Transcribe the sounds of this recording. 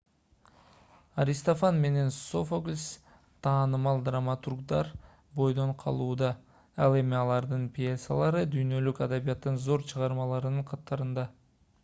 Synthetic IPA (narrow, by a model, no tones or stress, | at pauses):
aɾʲist̪ofanme̞ne̞nso̞foɡlʲs | t̪ʰɑːnɯmɑlˠd̪ramat̪urɡd̪ɑɾ | bo̞jd̪o̞ɴqʰɑ̰lˠuːd̪ɑ | ɑlˠe̞miɑlˠɑɾd̪ɯnpʲjesa̰lˠɑɾɯd̪yjnø̞lykad̪aβijɑt̪ːɯnzo̞ɾt͡ʃʰɯʁɑɾmɑlˠɑɾɯnɯɴqʰɑt̪ːɑɾɯnd̪ɑ